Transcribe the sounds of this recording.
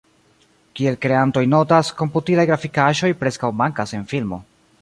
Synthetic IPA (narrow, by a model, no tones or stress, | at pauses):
kie̞lkɾe̞anto̞jno̞tasko̞mputilajɡɾafikaʒo̞jpɾe̞skawmaŋkase̞nfilmo̞̰